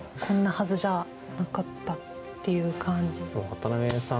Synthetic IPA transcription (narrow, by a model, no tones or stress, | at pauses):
kʰõ̞nːahazɨʑa | nakat̪ːat̪ːe̞jɯ̟kʰãɲd͡ʑioat̪anamesã